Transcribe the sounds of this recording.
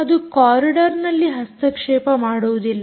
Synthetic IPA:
ɐd̪ukaːɾiɖɐɾnɐlːiɦɐst̪ɐkʂeːpɐmaːɽuʋd̪ilːɐ

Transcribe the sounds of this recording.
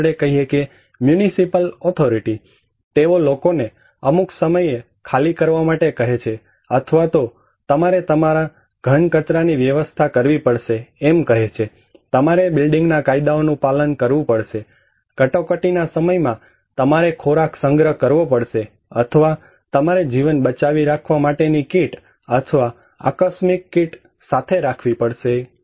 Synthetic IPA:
ɽekəɦieke | mjunisipəlɔt̪ʰoɾiʈi | t̪eʋolokone | əmuksəməje | kʰalikəɾʋamaʈekəɦet͡ʃʰe | ət̪ʰʋat̪o | t̪əmaɾet̪əmaɾa | ɡ̥ʱəɳkət͡ʃɾaniʋjəʋəst̪ʰakəɾʋipəɽʃeemkəɦet͡ʃʰe | t̪əmaɾebɪlɖɪ̃ŋɡnakaid̪aonũpalənkəɾʋũpəɽʃe | kəʈokəʈinasəməjmã | t̪əmaɾekʰoɾaksəŋɡɾəɦkəɾʋopəɽʃe | ət̪ʰəʋa | t̪əmaɾed͡ʒiʋənbət͡ʃaʋiɾakʰʋamaʈenikiʈ | ət̪ʰəʋa | a̰kəsmikːiʈ | sat̪ʰeɾakʰʋipəɽʃe

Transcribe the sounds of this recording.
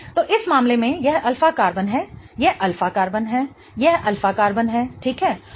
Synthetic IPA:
t̪oːʔɪsmaːmlemẽjɛɦɐlfakaːɾbənɦɛː | jɛɦʔɐlfakaːɾbənɦɛː | jɛɦɐlfakaːɾbənɦɛːʈʰiːkɦɛː

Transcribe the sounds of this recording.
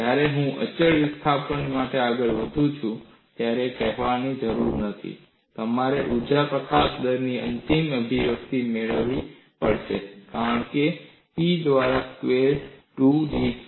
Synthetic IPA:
d͡ʒjaɾeɦũʔə̰t͡ʃəɭist̪ʰapəɳmaʈeaɡəɭʋəd̪ʱũt͡ʃʰũ | t̪jaɾekɛɦʋanid͡ʒəɾuɾnət̪ʰḭ | t̪əmaɾeʔud͡ʒapɾəkasd̪əɾniə̰nt̪iməbʱiʋəkt̪imeɭəʋi | pə̰ɽʃḛkaɾəɳke | pid̪ʋaɾaskʋeɾʈuɖi

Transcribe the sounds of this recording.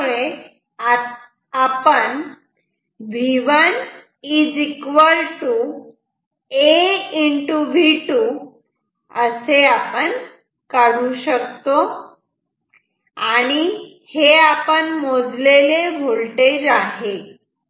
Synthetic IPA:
ɭe | a | apəɳ | bʱiʋan | id͡zikʋəlʈu | eiɳʈubʱiʈu | əseapəɳ | kaɽuɕək̚t̪o | aɽ̃i | heapəɳmod͡zlelebʱolʈed͡ʑaɦe

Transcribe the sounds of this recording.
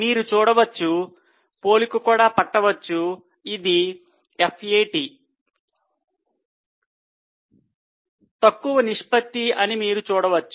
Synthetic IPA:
miːɾut͡ʃuːɽɐʋɐt͡ʃːu | po̞ːlikukuːɽaːpɐʈːɐʋɐt͡ʃːu | id̪i | epʰejʈi | t̪ɐkːuʋɐniʂpɐt̪ːiɐnimiːɾut͡ʃuːɽɐʋɐt͡ʃːu

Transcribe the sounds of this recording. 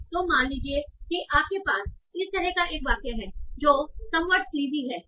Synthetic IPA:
t̪oːmaːnliːd͡ʒiekiʔaːp̚kepaːsɪst̪ɐɾɛɦkaʔeːkʋaːqjaɦɛːd͡ʒoːsɐ̃mʋəʈ̪̚kliːziɦɛː

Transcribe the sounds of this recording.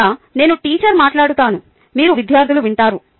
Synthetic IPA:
ne̞ːnuʈiːt͡ʃɐɾmaːʈlaːɽut̪aːnu | miːɾuʋid̪ʱjaːɾd̪ʱiluʋiɳʈaːɾu

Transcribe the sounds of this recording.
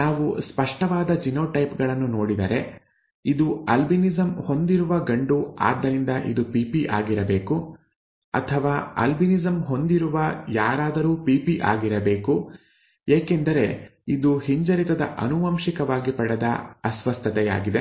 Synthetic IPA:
naːʋuspɐʂʈɐʋaːd̪ɐd͡ʒinoːʈɐjpɡɐɭɐnːuno̞ːɽid̪ɐɾe̞ | id̪uɐlbinizɐmho̞nd̪iɾuʋɐɡɐɳɖua̰ːd̪ːɐɾind̪ɐʔḭd̪upiːpiʔa̰ːɡiɾɐbe̞ːku | ɐ̰t̪ʰɐʋaːɐ̰lbinizɐmɦo̞nd̪iɾuʋɐjaːɾaːd̪ɐɾuːpiːpiʔa̰ːɡiɾɐbe̞ːku | jeːkend̪ɐɾe̞id̪uhiɲd͡ʒɐɾit̪ɐd̪ɐ̰ʔɐ̰nuʋɐmʃikɐʋaːɡipɐɽɐd̪ɐ̰ɐsʋɐst̪ʰɐt̪ɛja̰ːɡid̪e

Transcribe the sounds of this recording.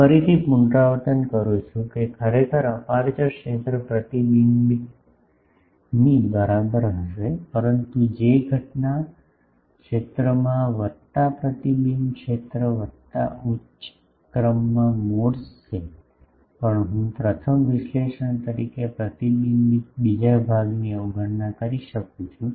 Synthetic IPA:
fəɾit̪ʰipuɳɖɾaʋət̪ənkəɾut͡ʃʰũkekʰəɾekʰəɾəpaɾt͡ʃəkʃet̪ɾəpɾət̪ilimbi | nibəɾabəɾɦəʃepəɾənt̪ud͡ʒeɡʱəʈna | kʂet̪ɾəmãʋət̪ːapɾət̪ilimkʃet̪ɾəʋət̪ːa̰u̥ | kɾəmːãmoɽʃe | pəɳɦũpɾət̪ʰəmʋiʃleʃəɳt̪əɾikepɾət̪ilimbik̚bid͡ʒabʱaɡniəuɡʱəɽnakəɾiʃəkũt͡ʃʰũ

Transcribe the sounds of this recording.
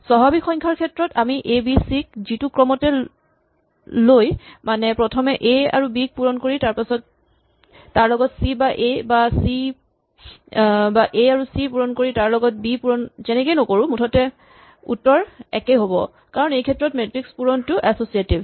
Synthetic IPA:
sɔɦabixʰɔŋkʰaɹkʰɛtɹɔtamiʔebisik̚zitukɹɔmɔtɛ | lojmanɛpɹɔtʰɔmɛʔea̰ɹubik̚puɹɔnkoɹitaɹpasɔtː | aɹlɔɡɔtsibaʔebasi | baʔeaɹusipuɹɔnkoɹitaɹlɔɡɔt̚bipuɹɔnzɛnɛkejnɔkoɹʊ̃mutʰɔtɛ | ṵtːɔɹɛkɛɦobɔ | kaɹɔnejkʰɛtɹɔtmetɹikspuɹɔntʊʔɛsosietib

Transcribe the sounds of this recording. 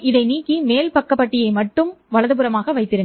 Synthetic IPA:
ɪðɐɪniːkːimeːlpɐkːɐpːɐʈːɪjɐɪmɐʈːɯmʋɐɭɐðɯpɯɾɐmaːɣɐʋɐɪt̪ːɪɾɯ

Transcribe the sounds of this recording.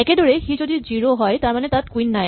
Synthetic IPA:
ɛkedɔɹexizodiziɹoɦɔjtaɹmanetat̚kwinːaj

